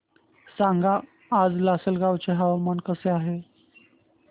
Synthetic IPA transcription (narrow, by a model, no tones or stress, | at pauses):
saŋɡaː | d͡zlasəlɡawt͡seɦaʋamankəseaɦe